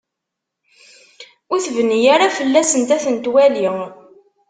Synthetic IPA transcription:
ʊɾθvənːijaɾafəlːæsənt̪æθənt̪wæli

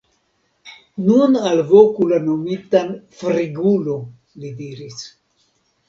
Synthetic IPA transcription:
nunalvokulanomitanfɾiɡulo | lidiɾis

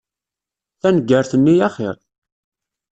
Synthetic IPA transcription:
θænəɡːəɾθənːijæχḛɾˤ

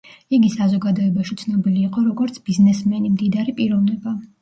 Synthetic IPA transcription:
iɡisazɔɡad̪ɔɛbaʃit̪sʰnɔbiliːqʼɔɾɔɡɔɾt̪sʰb̥iznɛsmɛnimd̪id̪aɾipʼiɾɔvnɛba

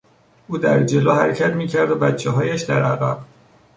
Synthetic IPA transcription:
ʔuːd̪æɾd͡ʒe̞loːhæɾecʰæt̪miːcʰæɾd̪obæt͡ʃʰːɛɦɒːjæʃd̪æɾʔæɣæ̰b̥

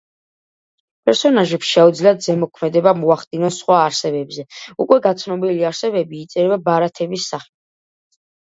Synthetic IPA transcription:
pʼɛɾsɔnaʒɛpsʃɛud̪zliat̪zɛmɔkʰmɛd̪ɛbamɔaχd̪inɔnsχwaːɾsɛbɛbzɛukʼwɛɡat̪sʰnɔbiliaɾsɛbɛbiːt̪sʼɛɾɛbabaɾat̪ʰɛbisːaχɛ

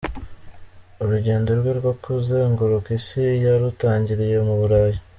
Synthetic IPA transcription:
uɾuɟe̞ːndoɾɡweɾɡwokuzeːŋɡuɾukisijaɾutaːɲɟiɾije̞muβuɾaːji

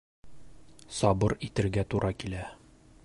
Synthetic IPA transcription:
sɒbɤɾit̪ɘ̆ɾɡæt̪uɾʔɑkilæ

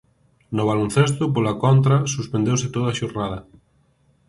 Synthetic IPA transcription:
nʊβalon̟θest̪ʊp̬olakɔnt̪ɾɐsuspend̪ewsɪt̪oðɐaʃoɾnaðɐ

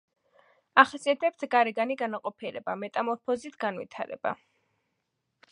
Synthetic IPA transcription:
aχasiat̪ʰɛp̚t̪ʰɡaɾɛɡaniɡanaqʼɔpʰiɾɛ̰bamɛt̪ʼamɔɾpʰɔzit̪ʰɡanvḭt̪ʰaɾɛ̰ba̰

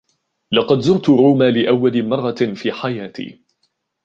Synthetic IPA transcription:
lɑqɑd̪zʊɾt̪ʊɾuːmaːlɪʔawːalɪmɑrˤːɑfiːħajaːt̪ḭː

